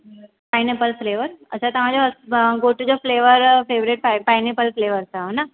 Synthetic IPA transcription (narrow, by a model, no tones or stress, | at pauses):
paɪnepəlfleːʋəɾɐtːɕʰat̪ɐʋ̤ãd͡ʑoɦɐɡoʈud͡ʑofleːʋəɾfeːʋɾeʈ̚ppajnepəlfleːʋəɾsʰaɦona